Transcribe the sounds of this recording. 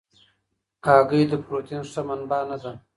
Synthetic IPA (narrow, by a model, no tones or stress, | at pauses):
kɑːɡəjd̪əpɾot̪inʂamanbɑːnazam